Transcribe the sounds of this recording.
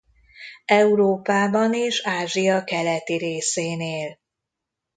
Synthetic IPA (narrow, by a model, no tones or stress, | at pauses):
ɛuɾoːpaːbɒneːʃaːʒijɒkɛlɛt̪iɾeːseːneːl